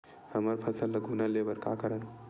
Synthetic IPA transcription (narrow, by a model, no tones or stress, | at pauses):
həməɾpʰəsəlːəɡʱunalebəɾka̰kəɾən